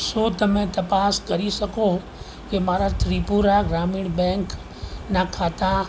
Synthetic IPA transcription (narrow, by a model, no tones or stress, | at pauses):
soːd̪ʱmɛ̃t̪ɐpaːskɐɾisɐko | kemaːɾat̪ɾiːpuːɾaɡɾaːmɪɽbɛ̃ːŋk | nakʰaːt̪a